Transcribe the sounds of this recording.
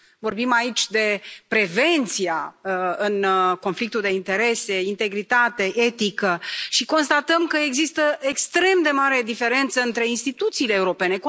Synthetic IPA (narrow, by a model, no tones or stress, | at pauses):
vo̞rbimait͡ʃʲd̪e̞pɾe̞ve̞nt̪sijaəɨnko̞nflik̚t̪uld̪e̞int̪e̞ɾe̞se̞int̪e̞ɡɾit̪at̪e̞ʔet̪ikəʃiko̞nst̪at̪əmkəeɡzist̪əekst̪ɾe̞md̪e̞maɾe̞d̪ife̞ɾe̞nt̪səɨnt̪ɾe̞inst̪it̪ut̪siːleːuɾo̞pene̞k